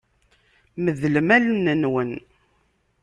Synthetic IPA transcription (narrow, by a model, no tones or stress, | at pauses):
məðləmælnənwən